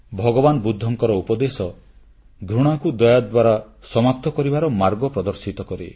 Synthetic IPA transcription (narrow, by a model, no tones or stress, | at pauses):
bʱɔɡɔbanɔbud̪ʱːɔŋkɔɾɔupɔd̪esɔ | ɡʱɾuɽ̃akud̪ɔjad̪waɾasɔmap̚t̪ɔkɔɾibaɾɔmaɾɡɔpɾɔd̪ɔɾsit̪ɔkɔɾe